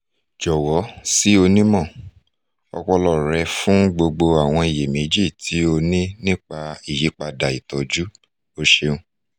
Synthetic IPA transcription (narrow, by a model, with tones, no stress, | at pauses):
d͡ʒɔ˨wɔ˨˦si˦o˧nĩ˦mɔ̃˦˨ | ɔ̰˧kɔ˧lɔ˨ɾɛ˧fũ˦ɡ͡bo˧ɡ͡bo˧a˨w̃ɔ̃˧i˨je˨me˨˦d͡ʒi˦˨tʰi˨˦o˧nĩ˦nĩ˦k͡pa˧i˨je˨˦k͡pa˧da˨i˨tɔ˨d͡ʒu˦ | o˦ʃe˧ũ˦